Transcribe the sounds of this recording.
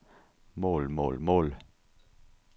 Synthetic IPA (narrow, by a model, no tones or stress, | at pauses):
moːlmo̰ːlmoːl